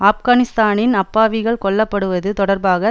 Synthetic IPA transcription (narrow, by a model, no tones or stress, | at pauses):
aːfɣaːnɪst̪aːnɪnɐpːaːʋɪɣɐɭkɔɭːɐpːɐɽɯʋɐðɯt̪ɔɽɐɾbaːɣɐ